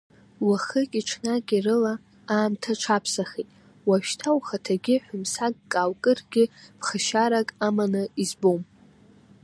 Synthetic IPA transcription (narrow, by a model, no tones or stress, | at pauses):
waχəkʲʼiʈ͡ʂʰnakʲʼirɨla | aːmtʰaʈ͡ʂʰapʰsaχetʼ | waʃtʰawχatʰaɡʲɪħʷᶣʊmsaɡ̚ːʼawkʼɨrɡʲɪpʰχaʃaɾakʼamanɨizbom